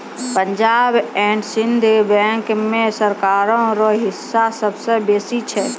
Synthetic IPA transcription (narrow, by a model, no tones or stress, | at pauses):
pəɲd͡ʒaːbɛ̃ɳʈsɪnd̪ʱbɛ̃ŋkmẽsəɾkaɾõɾɔɦɪsːasəbsə̃beːsit͡ʃʰɛ